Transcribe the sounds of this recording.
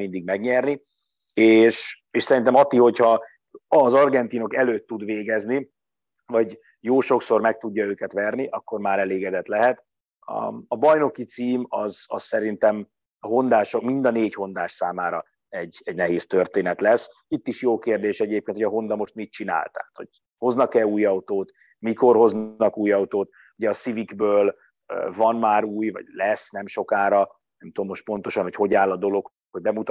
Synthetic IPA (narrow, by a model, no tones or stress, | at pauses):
mind̪iɡmɛɡɲɛrni | eːʃ | eːʃsɛɾint̪ɛmɒt̪ːiho̞chɒ | ɒzɒrɡɛnt̪iːno̞kɛløːt̪ːud̪ʋeːɡɛzni | vɒɟ | joːʃo̞kso̞rmɛk̚t̪uɟːɒøːkɛt̪ʋɛrniʔɒkːo̞rmaːɾɛleːɡɛd̪ɛt̪lɛɦɛt̪ | ɒ̰ɒbɒjno̞kit̪siːmɒzɒ̰ssɛɾint̪ɛm | ɦo̞nd̪aːʃokmind̪ɒneːcho̞nd̪aːʃsaːmaːɾɒ | ɛɟɛɟnɛɦeːst̪ørt̪eːnɛt̪lɛsː | it̪ːiʃjoːkeːrd̪eːʃɛɟeːpkeːnʰojɒɦo̞nd̪ɒmo̞ʃt̪mit̪̚t͡ʃina̰ːlt̪ɛ̰at̪ho̞ɟ̚ | ho̞znɒkɛluːjɒut̪oːt̪ | miko̞rho̞znɒkuːjɒut̪oːt̪ | uɟɛːsiviɡbøːl | øvɒnmaːɾuːjvɒ̰ɟlɛsnɛmʃo̞kaːɾɒ | nɛmt̪uomːo̞ʃt̪̚po̞nt̪o̞ʃɒnhocho̞ɟaːlːɒd̪o̞lo̞k | hoɟ̚bɛmut̪